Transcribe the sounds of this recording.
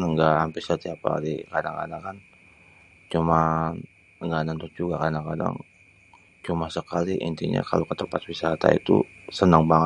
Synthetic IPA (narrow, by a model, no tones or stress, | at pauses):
nəŋɡaʔhampɪsət̪iapa̰dikadaŋka̰daŋkan | t͡ʃuma | əŋɡanant̪ʊk̚d͡ʒuɡakadaŋkada̰ŋ | t͡ʃumasəkaliʔḭnt̪iɲa̰kalokət̪əmpat̪̚wisaɦat̪a̰ḭt̪ṵ | sənaŋbaŋə